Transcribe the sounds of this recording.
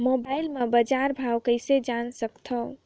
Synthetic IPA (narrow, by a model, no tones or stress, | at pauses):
mobajilmebəd͡ʒaɾbʱawkəjsed͡ʒansəkt̪ʰəw